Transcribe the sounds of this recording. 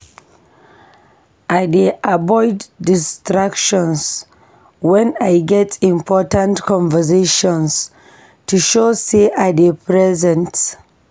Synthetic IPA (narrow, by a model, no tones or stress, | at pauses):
ʔadeʔabɔɪdːistɹakʃɔ̃ns | wɛ̃najɡɛtĩmpʰɔtãntkʰɔ̃ɱvəseʃɔ̃ns | tʰuʃoseʔadepʰɹɛzɛ̃nt